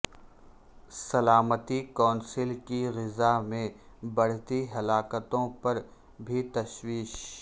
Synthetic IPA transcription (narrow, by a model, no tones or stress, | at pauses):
sɐlaːmət̪ikɔ̃ːnsɪlkiɣɪzamẽ | bɐɽ̤t̪iɦɐlaːkət̪õpɐɾ | bʱit̪ɐʃwiːʃ